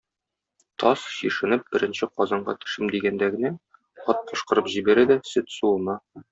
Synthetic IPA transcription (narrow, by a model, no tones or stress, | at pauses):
t̪ʰɒsɕiʃɘ̆nɘp̚bɘ̆ɾɘ̆nɕɘqɒzɑɴɢɑ̰t̪ɵ̥̆ʃɘmd̪iɡænd̪æɡɘ̆næ | ɒt̪̚qʰŏʃqɤ̆ɾɤpʑibæɾæd̪æsɘt̪sulˠnɤ